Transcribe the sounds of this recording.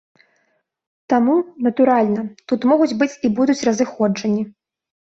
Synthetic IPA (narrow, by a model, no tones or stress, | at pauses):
t̪amunɐt̪uɾalʲnɐt̪ut̪mɔɣut͡sʲbɨt͡sʲibud̪ut͡sʲrɐzɨxɔd͡ʐɐnʲːi